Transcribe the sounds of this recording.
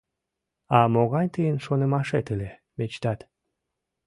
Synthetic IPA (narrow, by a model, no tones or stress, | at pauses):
ɑmoɣɑjt̪əjənʃonəmɑʃet̪əle | met͡ɕt̪ɑt̪